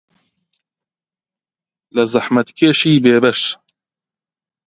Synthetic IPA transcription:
lazˤɑħmat̪keːʃiːbeːbɐʃ

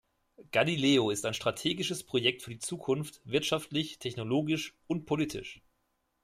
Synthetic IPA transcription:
ɡ̥alileːoɪstaɪnʃtʁ̥atʰeːɡɪʃəspʁ̥ojɛk̚tfyːɐdiːt͡suːkʰʊnftv̥ɪɐtʃaftlɪçtʰɛçnoloːɡɪʃʊntpʰoliːtʰɪ̰ʃ

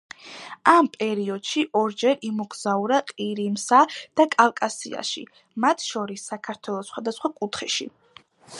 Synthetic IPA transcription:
ampʼɛɾiɔd̪̥ʃiʔɔɾd͡ʒɛɾimɔɡzauɾaqʼiɾimsad̪̥akʼalkʼasḭa̰ʃḭ | mat̪ʰʃɔɾisːakʰaɾt̪ʰwɛlˠɔsχwad̪asχwakʼut̪ʰχɛʃḭ

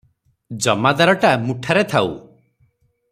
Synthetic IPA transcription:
d͡ʒɔmad̪aɾɔʈamuʈʰaɾet̪ʰaw̰

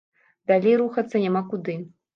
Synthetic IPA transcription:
d̪alʲejɾuxɐt̪sːɐnʲamakud̪ɨ

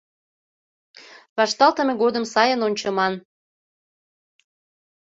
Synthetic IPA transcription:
βɑʃt̪ɑlt̪əmeɣod̪əmsɑjənonʲt͡ɕəmɑn

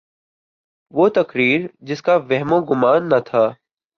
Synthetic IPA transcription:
ʋoːt̪ɐkɾiːɾd͡ʒɪskaʋɛɦmõːɡʊmaːnːɐt̪ʰaː

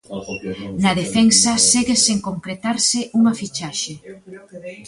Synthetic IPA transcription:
naðefɛnsɐseɣeseŋkoŋkɾet̪aɾsɪʔuŋafit͡ʃaʃe

